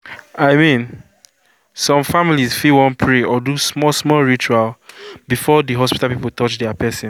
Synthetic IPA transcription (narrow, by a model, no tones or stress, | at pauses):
aɪmĩn | sɔ̃mfamilizfiwɔ̃npʰɹeɔdusmɔsmɔɹit͡ʃualbifɔdəɦɔspi̥talˠpipəlˠtʰɔt͡ʃdɛapɛsĩ